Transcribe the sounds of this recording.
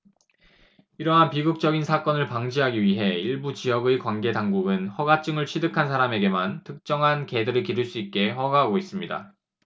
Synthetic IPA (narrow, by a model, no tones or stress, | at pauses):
iɾʌɦanpiɡuk̚t͡ɕ͈ʌɡinsʰak͈ʌnɯɭpaŋd͡ʑiɦaɡiɥiɦe̞iɭbut͡ɕijʌɡɯjkwanɡe̞daŋɡuɡɯnhʌɡat͡ɕ͈ɯŋɯɭt͡ɕʰidɯkʰansʰaɾame̞ɡe̞mantʰɯk̚t͡ɕ͈ʌŋɦanke̞dɯɾɯɭkiɾɯɭs͈uit̚k͈e̞hʌɡaɦaɡois͈ɯmɲida̰